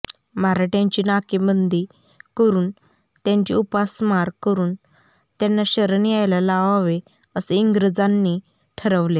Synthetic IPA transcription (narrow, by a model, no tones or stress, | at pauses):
maɾaʈjãɲt͡ɕiːnakimənd̪ʱiː | kəɾuːn | t̪jãɲt͡ɕḭupasmaɾkəɾuːn | t̪janːaɕəɾniajlalaʋaʋe | əseiŋɡɾəd͡zanːiː | ʈʰəɾəʋle